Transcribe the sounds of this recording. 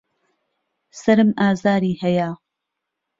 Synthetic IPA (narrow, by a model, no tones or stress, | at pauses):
sɐɾɨmʔaːzaːɾiːhɐja